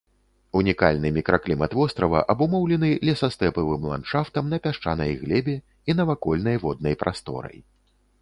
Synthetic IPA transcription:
unʲika̰lʲnɨmʲikɾaklʲimɐt̪vɔst̪ɾɐvɐ̰ʔɐbumɔwlʲɛnɨlʲɛsast̪ɛpɨvɨmlˠa̰nʂaft̪ɐmnɐpʲaʂt͡ʂanɐjɣlʲɛbʲɛ | inɐvakɔlʲn̪ɐjvɔd̪̚nɐjpɾast̪ɔ̰ɾɐ̰j

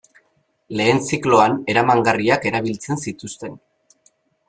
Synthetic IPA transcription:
le̞ːnsiklo̞ane̞ɾamaŋɡariake̞ɾaβilt͡se̞nsit̪ust̪e̞n

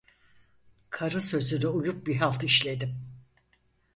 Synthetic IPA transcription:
kʰaɾɯsø̞zynɛujup̚biɦalˠt̪ʰɯiʃlʲe̞d̪im

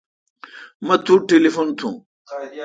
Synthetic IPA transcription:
mɐt̪ʰuʈelifont̪ʰṵ̃

